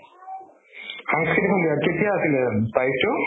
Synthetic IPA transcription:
xaŋskit̪ikʰɔnd̪ijaket̪ijaːsilɛt̪ajto

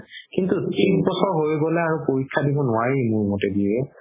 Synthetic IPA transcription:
kintutisbɔsɔɹɦojɡɔlɛaɹupoɹikʰːadibɔnʊwaɹimʊɹmɔtɛdiɹɛ

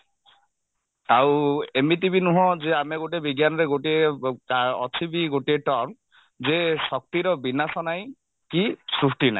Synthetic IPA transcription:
awemit̪̬ibinuɦɔ̃zeameɡoʈ̬iebiɡjanɔɾeɡoʈiekaɔ̰t͡ʃʰibiɡoʈieʈɔɾm | zesɔk̚t̪iɾɔbinasɔnaj | kisɾusʈinaj

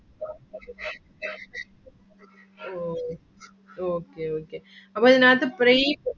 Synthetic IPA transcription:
o | oːkeoːkeːɐpːoːɪðɐnaːt̪ɯpɾe

